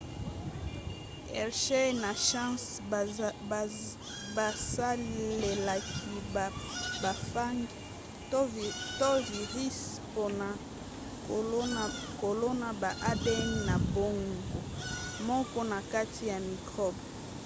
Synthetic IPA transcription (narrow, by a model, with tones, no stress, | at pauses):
ɛ̰˨ʁʃe˦na˨ʃa˦s | ba˨sa˦le˨la˨ki˨ba˨fa˦ŋ˦ | to˦vi˨ʁi˦s | po˦na˨˦ | ko˨lo˦na˨ba˨ʔa˦dɛ˦nna˨bo˦ŋɡo˨mɔ˦kɔ˦na˨ka˦tʰi˨ja˨mi˨kʁɔ˦b